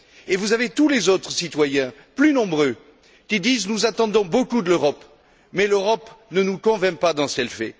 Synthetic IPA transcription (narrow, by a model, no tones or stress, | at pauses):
evuzavet̪ulezot̪χəsit̪wajɛ̃ | plynɔ̃bʁø | kʲid̪iznuzat̪ɑ̃d̪ɔ̃bokud̪əløʁɔp | mɛløʁɔpnənukɔ̃vɛ̃pad̪ɑ̃sə̥ɛlfɛ̰